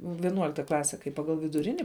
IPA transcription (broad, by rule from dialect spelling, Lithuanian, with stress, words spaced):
ʋʲɪˈnuɔlʲɪktɐ ˈklˠɑːsʲɛ kɐɪ ˈpɑːɡɐlˠ ʋʲɪdʊˈrʲɪnʲɪ